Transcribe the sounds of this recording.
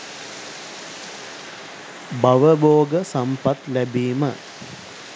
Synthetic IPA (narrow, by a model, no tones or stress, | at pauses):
baʋəboːɡəsɐmpat̪læbiːmə̰